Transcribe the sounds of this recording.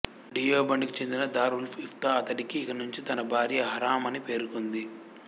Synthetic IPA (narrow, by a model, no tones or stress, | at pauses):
ɖijoːbɐɳɖikit͡ʃe̞nd̪inɐd̪aːɾulpʰift̪aɐt̪ɐʈikiːkɐnuɲt͡ʃit̪ɐnɐbʱaːɾjɐɦɐɾaːmɐnipe̞ːɾukond̪i